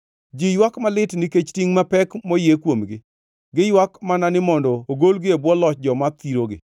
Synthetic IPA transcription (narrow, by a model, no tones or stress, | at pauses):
d͡ʒijwakmalɪtniket͡ʃtiŋmapɛkmojekwomɡɪ | ɡɪjwakmananɪmɔndɔoɡolɡɪebwɔlɔt͡ʃd͡ʒɔmat̪iɾoɡɪ̰